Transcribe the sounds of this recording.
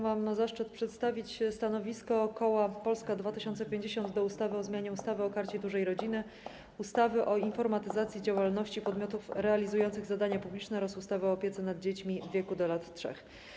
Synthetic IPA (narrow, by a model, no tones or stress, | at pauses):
mamnazaʂt͡ʂɘt̪pʂɛt̪st̪avʲit͡ɕst̪anɔvʲiskɔːkɔwapɔlskad̪vat̪ɘɕɔnt̪sɛpʲjeɲd͡ʑeɕɔnd̪d̪ɔust̪avɘɔzmʲaɲɛust̪avɘɔkaɾt͡ɕɛd̪uʐɛjɾɔd͡ʑinɘ | ust̪avɘʔɔinfɔɾmat̪ɘzat̪sʲjid͡ʑawalnɔɕt͡ɕipɔd̪mʲjɔt̪ufɾɛalʲizujɔnt̪sɘɣzad̪aɲapublʲit͡ʂnɛɾɔsust̪avɘɔːpʲjɛt̪sɛnad̪̚d͡ʑet͡ɕmʲivʲːjekud̪ɔlat̪tʂɛ̰x